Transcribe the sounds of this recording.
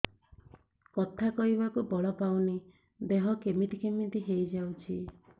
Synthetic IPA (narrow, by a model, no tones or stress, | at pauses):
kɔt̪ʰakɔɦibakubɔɭɔpawni | beɦɔkemit̪ikemit̪iɦejd͡ʒawt͡ʃʰi